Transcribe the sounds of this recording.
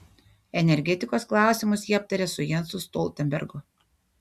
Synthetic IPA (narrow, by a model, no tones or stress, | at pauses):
ɛnʲɛɾʲɡʲɛt̪ʲɪkoːsklˠɑˑʊsʲɪmʊsjiːɐp̚t̪ɐɾʲesʊjɛnˑsʊst̪ɔlˠʲt̪ʲɛnʲbʲɛ̰ɾɡʊ